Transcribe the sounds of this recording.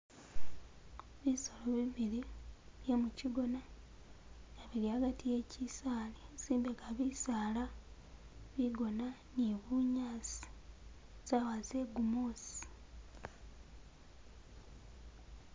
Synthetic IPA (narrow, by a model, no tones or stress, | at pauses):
βisoloβiβiɾiβje̞muciɡo̞na | ŋaβiɾiaɡatije̞cisaːliziːmbeɡaβisaːla | βiɡo̞naniβuɲaːsi̥ | z̥awaze̞ɡumoːsi̥